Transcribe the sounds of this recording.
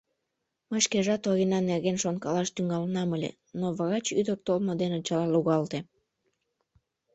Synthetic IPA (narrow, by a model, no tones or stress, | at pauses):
məʃkeʒɑt̪oɣinɑnerɣenʃonkɑlɑʃt̪yŋɑlnɑməlʲḛ | noβɑɣɑt͡ɕyd̪ək̚t̪olmod̪enot͡ɕɑlɑluɣɑlt̪e